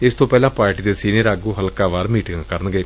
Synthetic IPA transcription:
ɪst̪õːpɛːlãːpaːɾʈiːd̪eːsiːniəɾaːɡuːɦəlkãːʋaːɾmiːʈɪ̃ŋɡkəɾənɡeː

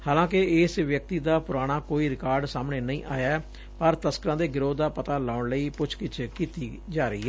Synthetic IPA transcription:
haːlãːkɪɪːsʋjək̚t̪iːd̪aːpʊɾaːɽ̃aːkoːiːɾɪkaːɾɖsaːmneːnəĩːʔa̰ːjaɛ | pəɾt̪əskəɾãːd̪eːɡɪɾoːd̪aːpət̪aːlaːʊɳləiːpʊt͡ʃʰkɪt͡ʃkiːt̪iː | d͡ʒaːɾəiːɦɛː

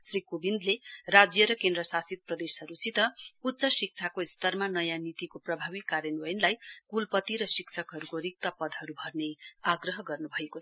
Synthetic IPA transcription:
srikobind̪lerad͡zjʌɾʌkend̪rʌsasit̪̚prʌd̪esɦʌɾusit̪ʌut̪ːsʌsik̚t͡sʰakoist̪ʌrmanʌjãnit̪ikoprʌbʱabikːaɾjʌnʌjnlajkulpʌt̪iɾʌsiksʰʌkɦʌɾukoɾik̚t̪ʌpʌd̪ʱɦʌɾubʱʌrneaɡrʌɦʌɡʌrnubʱʌekot͡sʰ

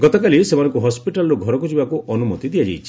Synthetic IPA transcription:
ɡɔt̪ɔkalisemanɔ̃ŋkuɦɔspiʈalɔɾoɡʱɔɾɔkud͡ʒibakuʔɔnumɔ̰t̪id̪ijad͡ʒḛjt͡ʃʰi

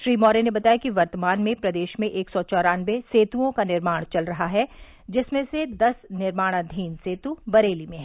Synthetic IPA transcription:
ʃɾiːmɔːɾenebɐt̪aːjakiʋɐɾt̪əmaːnmẽpɾɐd̪eːʃmẽʔeːksɔt͡ʃɔːɾaːnʋeseːt̪uõkanɪɾmaːɽ̃t͡ʃɐlɾɐɦaɦɛ | d͡ʒɪsmẽsed̪ɐsnɪɾmaːɽ̃ad̪ʱiːnseːt̪ubɐɾeːlimẽɦɛː

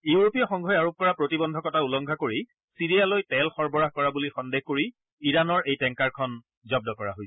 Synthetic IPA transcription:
iuɹopijɔxɔŋɡʱɔjaɹop̚kɔɹapɹotibɔndʱɔkɔtaulɔŋɡʱakoɹi | siɹijalojtɛlxɔɹbɔɹakɔɹabulixɔndexkoɹi | iɹanɔɹejtɛŋkaɹkʰɔn | zɔb̚dɔkɔɹa̰ɦojsɛ

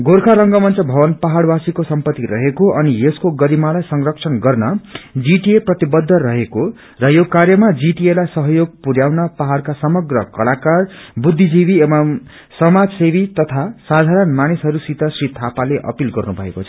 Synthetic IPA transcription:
ɡorkʰaɾʌŋɡʌmʌnt͡sʌbʱʌbʌnpaɦaɽbasikosʌmpʌt̪ːiɾʌ̰ɦekoʔʌnieskoɡʌɾimalajsʌŋrʌk̚sʰʌnɡʌrnʌd͡ziʈieprʌt̪ibʌd̪ʱːʌɾʌɦeko | rʌjokarjʌmad͡ziʈielajsʌɦʌjoɡ̚puɾjawnʌpaɦarkasʌmʌɡrʌkʌlakarbud̪ʱːid͡zibiemam | sʌmad͡zsebit̪ʌt̪ʰasad̪ʱaɾʌnmanisɦʌɾusit̪ʌsrit̪ʰapaleʔʌ̰pilɡʌ̰rnubʱʌ̰ḛkot͡sʰʌ

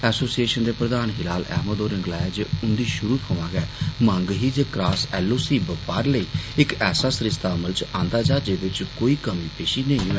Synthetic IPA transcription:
ɛːsoːsieːʃənd̪eːpɾəd̪aːnɦɪlaːlɛ̰ːɦməd̪oːɾə̃ŋɡlaːd͡ʒeːʊnd̪iːʃʊɾuːpʰoːʋãːɡɛːmə̃ŋɡɦiːd͡ʒeːkɾaːsɛːlːoːsiːbəpaːɾləiːɪkɛːsaːsɾɪst̪aːəməlt͡ʃãːnd̪aːd͡ʒaːd͡ʒeːʋ̪ɪt͡ʃkoːiːkəmiːpeːʃiːnəĩːɛː

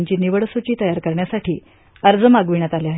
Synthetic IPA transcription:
ɲt͡ɕiːniʋəɽsut͡ɕiːt̪əjaɾkəɾɳjasaʈʰiː | əɾd͡zəmaɡʋiɳ̃at̪aliaɦe

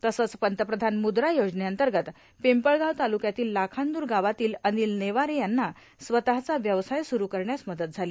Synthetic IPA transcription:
t̪əsət͡spənt̪əpɾəd̪ʱanmud̪ɾajod͡zneənt̪əɾɡət̪ | pempəɭɡaʋt̪alukjat̪iːlːakʰand̪uːɾɡaʋat̪iːləniːlneʋaɾejanːa | sʋət̪aɦt͡saʋjəʋsajsuɾukəɾɳjat͡sməd̪ət̪̚d͡zʱali

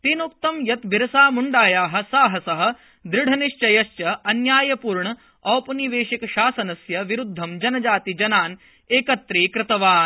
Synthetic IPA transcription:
t̪iːnuk̚t̪ɐmjɐt̪bʱiɾɐsaːmuɳɖaːjaːɦɐ̆saːɦɐsɐɦɐ̆ | d̪ɾɪɽ̤ʱɐniʃt͡ʃɐjɐst͡ʃɐɐnjaːjɐpuːɾɳɐ | ɐːpɐniʋeːʃikɐʃaːsɐnɐsjɐʋiɾud̪ʱːɐmd͡ʒɐnɐd͡ʒaːt̪id͡ʒɐnaːn | eːkɐt̪ːɾiːkɾɪt̪ɐʋaːn

